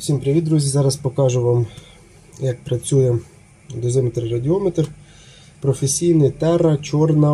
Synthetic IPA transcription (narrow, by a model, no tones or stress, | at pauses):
ʊsʲimpɾʲiʋʲid̪ɾuzʲizɑɾɐspɔkɑʒʊʋɑm | jɐk̚pɾɐt͡sʲujɛ | d̪ɔzɪmt̪ɾrɐdʲɪɔmɛt̪r | pɾɔfesʲijnɪt̪ɛɾɐt͡ʃɔrnɐ